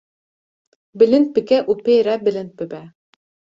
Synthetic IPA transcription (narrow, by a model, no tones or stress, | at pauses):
bɘ̆lɘnt̪̚pɘ̆kæʔupejɾæbɘ̆lɘ̆nt̪̚bɘ̆bæ